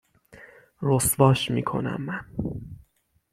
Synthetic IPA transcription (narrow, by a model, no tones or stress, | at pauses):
rost̪vɒːʃmḭːkʰo̞̰næ̰mːæn